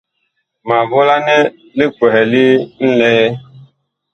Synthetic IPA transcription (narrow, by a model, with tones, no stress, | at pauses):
ma˨vʊ˦la˦ne˦ | lɪ˦kʷe˨ɦe˨li˦n̩˦le˦ɣe˦